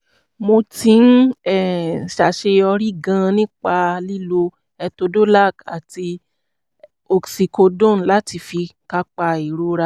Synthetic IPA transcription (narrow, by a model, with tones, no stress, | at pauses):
mo˧tĩ˨˦n̩˦ɛ˦˨ʃa˨ʃe˧ɔ˧ɾi˦ɡã˦˧nĩ˦k͡pa˧li˦lo˧ | ɛ˧to˧do˦la˦˨ka̰˨ti˧ | o˧ksi˧ko˧dõ˦˨n˦la˦ti˧fi˧ka˧k͡pa˧i˨ɾo˧˦ɾa˧